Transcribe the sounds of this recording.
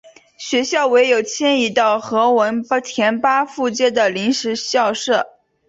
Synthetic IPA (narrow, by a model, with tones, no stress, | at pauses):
ɕɥɛ˧˥ɕjɑ˥˩ʊwe˧˥ɪjo˨˩ʊt͡ɕʰjɛ˥ni˧˥t̪ɑ˥˩ʊxɤ˧˥wə˧˥nt̪ʰjɛ˧˥npa˥fu˥˧t͡ɕjɛ˥˩d̪ə˩li˧˥ŋʂɻ̩˧˥ɕjɑ˥˧ʊʂɤ˥˩